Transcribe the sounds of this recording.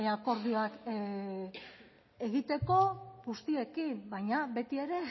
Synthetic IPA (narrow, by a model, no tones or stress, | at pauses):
eako̞ɾðioak | eɣit̪e̞ko̞ɣust̪ie̞kimbajɲaβe̞t̪ie̞ɾe̞